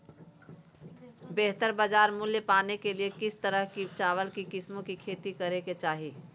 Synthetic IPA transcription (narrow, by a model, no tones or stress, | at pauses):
beɦt̪əɾbəd͡ʒaːɾmuljəpaːnekeliekɪst̪əɾəɦkit͡ʃaːʋəlkikɪsmõkikʰeːt̪ikəɾeket͡ʃaːɦi